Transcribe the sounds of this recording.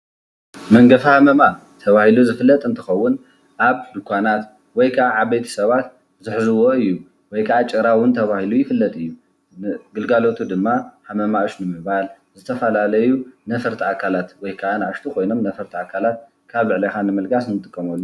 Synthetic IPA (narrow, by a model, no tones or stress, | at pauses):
mɐŋɡɐfhamɐma | t̪ʰɐβahiluzɨfɨlːɐt̪ʼɨnt̪ʰɨxɐwːʊn | ʔaβd̪ɨkʷʰanat̪ | wɔjkʰaʔaʔaβbejt̪ʰɐ̥sɐβat̪ | zɨħzɨwoɨjːu | wɔjkʰaʔat͡ʃʼɨɾawʊnt̪ʰɐβahilujɪfɨlːɐt̪ʼɨjːu | nɡɨlɡalo̞t̪ʰud̪ɨmːahamɐmaoʃnɨmɨβal | zɨt̪ʰɐfɐlalɐjunɐfɐɾt̪ʰiakʰalat̪wɔjkʰaʔanʕaʃt̪ʰukʰojno̞mnɐfɐɾt̪ʰiakʰalat̪̚ | kʰaβlɨʕlixanɨmɨlɡas̬nɨt̪ʼɨkʼːɐmɐlːu